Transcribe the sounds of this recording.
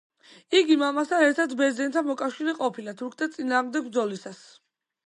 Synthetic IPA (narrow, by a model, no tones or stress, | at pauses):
iɡimamasaɛɾt̪ʰat̪ʰbɛzɛnt̪ʰamɔkʼafʃiɾɛqʼɔpʰilat̪ʰuɾkʰt̪ʰat̪sʼinaːʁmd̪ɛɡ̚bɾd̪zɔlisas